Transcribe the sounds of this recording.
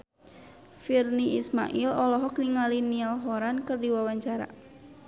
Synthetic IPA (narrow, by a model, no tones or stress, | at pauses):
firniisma̰ʔilɔlɔɦɔk̚niŋalinialɦɔɾankərdiwawaɲt͡ʃaɾa̰